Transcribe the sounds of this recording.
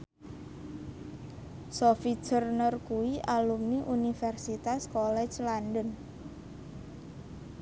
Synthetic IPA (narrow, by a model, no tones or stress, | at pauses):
sɔfit͡ʃərnərkuwiʔalumniʔunifɛrsit̪askɔlɛ̥t͡ʃlandən